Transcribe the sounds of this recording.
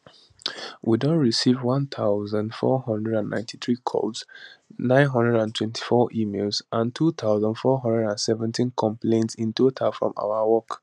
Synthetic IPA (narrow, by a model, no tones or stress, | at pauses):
wʔidõnɹisivwʌ̃nt̪ʰaʊzãndfɔ̰hɔ̃ndɹɛdãnːã̰ɪ̃ntʰi̥θɹikʰɔ̰bsnãɪ̃nɦʌ̃ndɹɛɾãntʰwɛ̃ntʰi̥fɔʔimelzʔãntʰuθʰaʊzãndfɔɦɔ̃ndɹɛdãnsɛvɛ̃ntĩnkʰɔ̃mplẽntsĩntotʰafɹɔ̰̃ma̰ʊawɔk